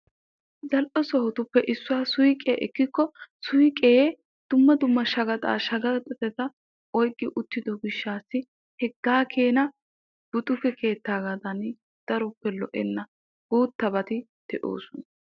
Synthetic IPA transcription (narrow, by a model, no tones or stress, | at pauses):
zɐlʔɔsɔhʊt̪ʊpːɛʔɪsːʊwaːsʊjkʼḛːʔɛkːɪkːɔsʊjkʼeː | d̪̥ʊmːɐd̪ʊmːɐʃɐɡɐt̪ʼa̰ːʃɐɡɐt̪ʼːɛt̪ɛt̪ɐ | ɔjkʼːɪʔʊt̪ːɪd̪ɔɡɪʃːaːsːɪ | hɛɡːaːkʰe̞ːnɐ | b̥ʊt̪ʼʊkɛkʰe̞ːt̪ːaːɡɐd̪ɐn | d̪̥ɐɾɔpːɛlɔ̰ʔɛnːɐ | ɡ̥uːt̪ːɐbɐt̪ɪ | d̪̥ɛʔo̰ːsʊnɐ